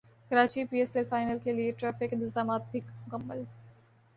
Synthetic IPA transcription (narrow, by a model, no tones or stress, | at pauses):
kɐɾaːt͡ʃipiːeːselfaːɪnəlkelieʈɾɛːfɪkɪ̃nt̪ɪzaːmaːt̪̚bʱikmʊkɐmːəl